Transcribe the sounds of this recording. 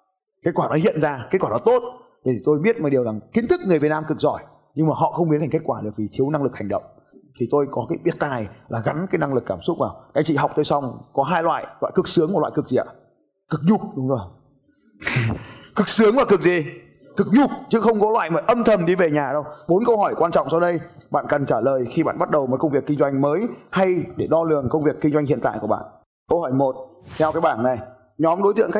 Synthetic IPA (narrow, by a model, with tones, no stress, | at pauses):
ke˦˥t̚kwaː˧˩nɔ˨˦hḭ˧˨ənzaː˧ke˦˥t̚kwaː˧˨˩nɔ˨˦t̪o˦˥t̪̚ | e˧˨˩t̪ʰi˨˩t̪o˧jɓi˦˥ət̚maː˨˩ɗəwzaː˨˩ŋki˨˦n̟t̪ʰɨ˦˥k̚ŋɨ˨˩əvt̚naː˧mkɨ˨˩k̚zɔ˧˩j | ɲɨ˧ŋmaː˨˩ɦɔ̰˧˨xə˧wŋ͡mmi˨˦ntʰŋke˦˥t̚kwaː˧˩ɗɨ˨˩ək̚vi˨˩t̪ʰi˨˦əwna˧ŋlɨ˨˩k̚ha˨˩ŋ̟ɗə̰˧˨wŋ͡m | t̪ʰi˨˩t̪o˧jkɔ˨˦kaː˨˦jɓi˨˩ət̚t̪aː˨˩jlaː˨˩ɣa˨˦nkaː˨˦jna˧ŋlɨ˨˩kːaː˧˩msʊ˦˥t̚vaː˨˩wkaː˨˧˥jŋt͡ɕḭ˧˨ɦwk͡p̚t̪o˧jsa˧wŋ͡mkɔ˨˦ɦaː˧jlwa̰ː˧˨jlwa̰ː˧˨jkɨ˨˩k̚sɨ˨˦əŋm˨˩t̚wa̰ː˧˨kɨ˨˩k̚zi˨˩a̰ː˧˨ | kɨ˨˩k̚ɲʊ˨˩k͡p̚ɗʊ˨˦ŋ͡mzo˨˩j | kɨ˨˩k̚sɨ˨˦əŋvaː˨˩kɨ˨˩k̚zi˨˩ | kɨ˨˩k̚ɲʊ˨˩k͡p̚t͡ɕɨ˨˦xə˧wŋ͡mkɔ˨˦lwa̰ː˧˨jməː˨˩˦jʔə˧mt̪ʰə˨˩mɗi˧ve˨˩ɲaː˨˩ɗə˧wɓo˨˦nkə˧wɦɔ˧˩jkwaː˧nt͡ɕɔ̰˧˨wŋ͡msa˧wɗə˧jɓa̰ː˧˨nkə˨˩nt͡ɕaː˧˩ləː˨˩jxi˧ɓa̰ː˧˨nɓt̚ɗə˨˩wmoː˨˦jkə˧wŋ͡mvi˨˩əkːï˧ŋ̟zwa˧jŋ̟məː˨˦jha˧jɗe˧˩ɗɔ˧lɨ˨˩əŋkə˧wŋ͡mvi˨˩əkːi˧ŋ̟zwa˧j̟hḭ˧ənt̪a̰ː˧˨jku˧˩ɓa̰ː˧˨n | kə˧whɔ˧˩jmo˨˩t̚ | t̪ʰɛ˧wkaː˨˦jɓaː˧˩nna˨˩j | ɲɔ˨˦mɗo˨˦jt̪ɨ̰˧˨əŋxa˦˥